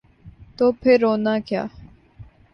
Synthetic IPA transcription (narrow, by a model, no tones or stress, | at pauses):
t̪oːpʰɪɾːoːnãːkja̰ː